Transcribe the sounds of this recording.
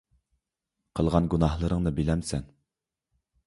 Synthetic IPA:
qʰəlˠʁɑnɡunɑhlˠəɾəŋnɨbilɛmsɛn

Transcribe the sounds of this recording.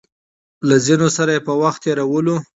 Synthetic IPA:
lazinosaɾajepəwaxt̪ːeɾawəlo

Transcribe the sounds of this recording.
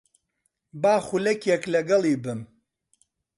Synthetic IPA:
baːχulɐkjɛklɐɡɐlˠiːbɨm

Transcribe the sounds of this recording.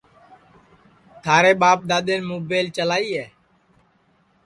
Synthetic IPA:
t̪ʰaːɾeːɓaːp̚ɗ̪aːɗ̪ẽːnmoːbeːlt͡ʃəlaːiːɦɛː

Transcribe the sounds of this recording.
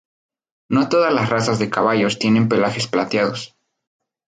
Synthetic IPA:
no̞t̪o̞ðazlasrasazðe̞kaβaʝo̞st̪je̞ne̞mpe̞laxe̞splat̪jaðo̞s

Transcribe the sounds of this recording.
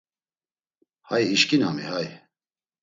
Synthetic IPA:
hajiʃkinamḭhaj

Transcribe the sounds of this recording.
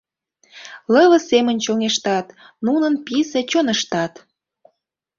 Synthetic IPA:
ləβə̆semə̆nʲt͡ɕoŋeʃt̪ɑt̪ | nunənpiset͡ɕonəʃt̪ɑt̪

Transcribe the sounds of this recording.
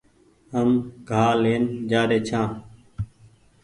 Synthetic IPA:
ɦəmɡʱaːleːnd͡ʒaːɗeːt͡ʃʰãː

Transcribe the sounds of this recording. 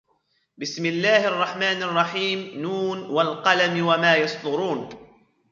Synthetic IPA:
bɪsmɪlːaːhʔɑrˤːɑħmaːnɑrˤːɑħiːmnuːnwalqɑlamwamaːjɑsˤt̪ʊɾuːn

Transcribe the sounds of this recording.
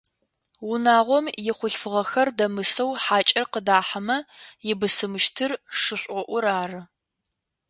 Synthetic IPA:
wʊnaːʁʷɔmjɪχʷʊɬfɨʁɐxɐrdɐmɨsɐwħaːt͡ʃʼɪrqədaːħɐmɐjɪbɨsɨmɨʃtʰɨrʂɨɕʷʼɔʔʷʊɾaːrɨ

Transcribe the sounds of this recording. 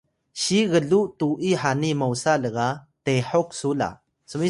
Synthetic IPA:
ɕiɣəɮuʔtuʔiħanimawsaləɣateħɔk̚sula̰ | səmi

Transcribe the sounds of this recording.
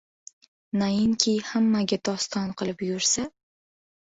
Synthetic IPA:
najɪŋkʲʰijhamːaɡʲat̪ʰɒst̪ʰɒnqɨlˠɪpjʊɾsa

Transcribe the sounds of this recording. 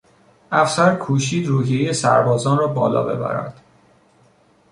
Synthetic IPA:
ʔæfsæɾkʰuːʃiːd̪ruːɦiejesæ̰ɾbɒːzɒːnrɒːbɒːlɒ̰ːbe̞̰bæ̰ɾæ̰nd̪̥

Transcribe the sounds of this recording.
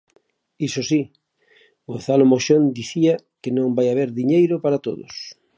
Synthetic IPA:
isosi | ɡon̟θalomoʃond̪iθiɐ | kenõŋbajaβ̞eɾðiɲejɾʊpaɾat̪o̰ðo̰s

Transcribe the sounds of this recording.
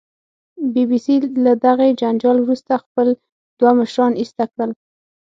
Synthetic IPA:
bibisilad̪aɣed͡ʒand͡ʒɑlwɾust̪axpəl | d̪̥waməʃɾɑnist̪akɽəl

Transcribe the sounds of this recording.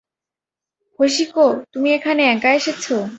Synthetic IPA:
hoʃ̬ikot̪umiekʰaneɛŋkaeʃet͡ɕʰo

